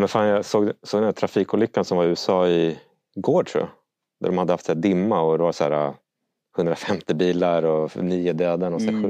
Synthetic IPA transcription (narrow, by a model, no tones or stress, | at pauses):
mɛnfaːnjasoːɡ̪soːɡd̪ɛnæʈ̪ʰɾafiːkʊːlʏkːansɔmvaɾʉ̟ːɛsɑːɪ | ɡoːʈʰɾʊ̰ːja̰ | d̪æ̰ɖɔmhad̪ːəhaft̪sæːd̪ɪmːaɔd̪ɛvasæ̰ːɾa̰ | hɵnd̪ɾafɛmt̪ɪbiːlaɾɔniːʊd̪ɛːd̪əɳɔsæɧʉ